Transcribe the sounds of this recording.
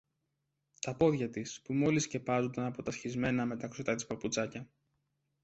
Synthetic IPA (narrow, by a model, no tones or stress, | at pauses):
t̪ɐpo̞ðʝɐt̪ispumo̞lisce̞pɐzo̞nd̪ɐnɐpo̞t̪ɐsçizme̞nɐme̞t̪ɐksot̪ɐt̪i̥spɐput͡sɐcɐ